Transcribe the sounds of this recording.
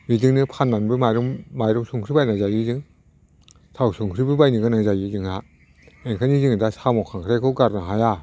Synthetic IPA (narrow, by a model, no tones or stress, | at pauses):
midɯŋnɯpʰanːanbɯmaɾɯmmajɾɔmsuŋkʰɾibajnazajizɯŋ | sʰawsuŋkʰɾibɯbajnɯɡɯnazajizɯŋa | eŋkʰanizɯŋdasamɔkʰaŋkʰɾajkʰɯɡaɾnaɦaja